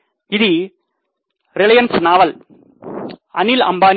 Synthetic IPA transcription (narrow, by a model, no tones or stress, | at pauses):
ɪði | ɾɪɭɐjɐnsnaːʋɐl | ɐnɪlɐ̰mbaːn